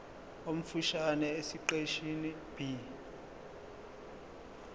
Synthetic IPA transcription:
om̩fuʃanɛesiǃeʃini | b̥i

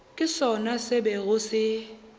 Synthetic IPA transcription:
kʼɪsɔnasɪbɛɣʊsɪ

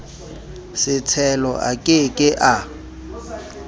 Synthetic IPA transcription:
sɪt͡sʰɛlɔʔa̰kʼɪkʼɪʔa

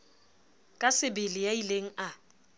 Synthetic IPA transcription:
kʼasɪbɪlɪjaileŋ̩a

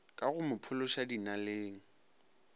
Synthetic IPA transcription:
kʼaɣʊmʊpʰʊlʊʃadinaleːŋ̩

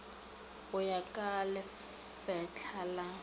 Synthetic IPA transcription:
ɣʊjakʼalɪ | fɛt͡ɬʰala

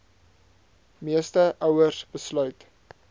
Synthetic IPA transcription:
miəstəʔœwərsbəslœɥt

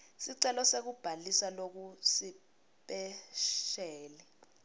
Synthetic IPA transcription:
siǀɛlɔsek̬ub̥ʱalisalok̬usi | ɓɛʃɛːlɛ

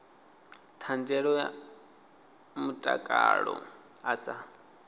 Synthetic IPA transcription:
t̪ʰand͡zɛɺɔja | mutʼakʼaɺɔ̰ | asa

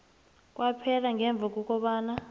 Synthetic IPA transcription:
k̬ʼwʔapʰɛlaŋɛɱb̪vʱak̬ʼuk̬ʼɔɓaːna

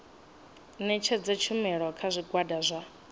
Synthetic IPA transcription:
nɛt͡ʃʰɛd͡zɛt͡ʃʰumɛɺɔkʰazʷiɡwadazʷa

